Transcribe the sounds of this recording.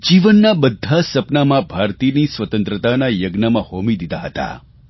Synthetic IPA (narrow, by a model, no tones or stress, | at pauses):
d͡ʒiʋənːabəd̪ʱːasəpnamãbʱaɾt̪inisʋət̪ə̃nt̪ɾət̪anajəɡnamãhomid̪id̪aɦət̪a̰